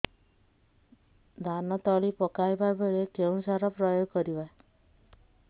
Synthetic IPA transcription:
d̪ʱanɔt̪ɔɭipɔkajbabeɭekeũsaɾɔpɾɔjoɡkɔɾiba

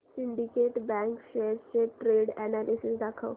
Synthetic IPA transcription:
siɳɖikeʈbɛ̃ŋkɕejɾt͡ɕeʈɾeɽɛnalisisd̪akʰəw

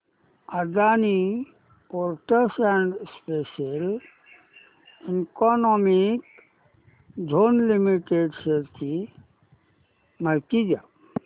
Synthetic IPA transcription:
əd̪ani | poɾʈəsɛ̃ɳɖspeʃəl | iŋkɔnɔmik | d͡ʒʱonlimiʈeɖsəɾt͡ʃi | məɾkid͡ʒa

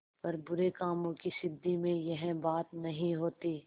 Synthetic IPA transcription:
pɐɾbʊɾekaːmõkiʃɪd̪ːimẽjɐɦɛ̃baːt̪nɐɦĩɦoːt̪iː

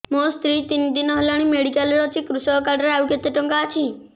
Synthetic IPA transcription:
most̪ɾit̪ind̪inɔɦelaɽ̃imeɽikalɾɔt͡ʃʰikɾusɔkaɾɖɾeawket̪ːeʈɔŋkaːt͡ʃʰi

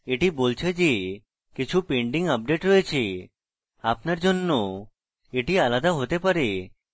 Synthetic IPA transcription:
eʈibolt͡ʃʰed͡ʒe | kit͡ʃʰupeɳɖiŋɡəp̚ɖeʈɾɔet͡ʃʰe | apnaɾd͡ʒonːo | eʈialad̪aɦot̪epaɾe

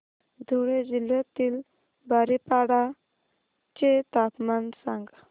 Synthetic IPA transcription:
d̪ʱoɽed͡ʒiljat̪il | baɾipaɽa | t͡ʃet̪apmansãŋɡa

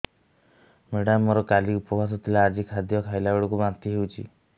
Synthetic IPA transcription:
meɽamɔɾɔkaliupɔbʱas̬ɔt̪ʰilaːd͡ʒikʰad̪jɔkʰajlaoɽɔkubant̪iɦewt͡ʃʰi

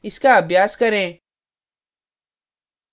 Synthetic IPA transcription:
ɪskaɐbʱjaːskɐɾẽː

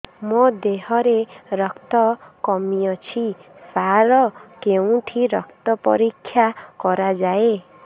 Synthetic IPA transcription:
mɔd̪eɦɔɾeɾɔkt̪ɔkɔmijɔt͡ʃʰisaɾɔkeũʈʰiɾɔkt̪ɔpɔ̰ɾikʰːjakɔɾad͡ʒae

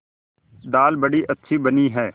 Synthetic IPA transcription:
d̪aːlbəɽiːʔɐtːʃʰiːbəniːɦɛː

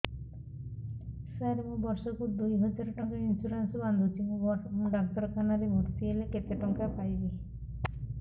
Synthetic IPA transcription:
saɾimubɔɾsokuɾd̪ujɦɔd͡ʒɔɾʈɔŋkainsuɾansɔband̪ʱutimuɖɔk̚t̪ɔɾkʰanaɾemoʈt̪ʰieleket̪eʈɔŋkapajbi

